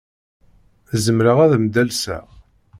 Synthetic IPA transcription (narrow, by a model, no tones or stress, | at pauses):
zəmɾəʁæðmd̪ælsæ̰ʁ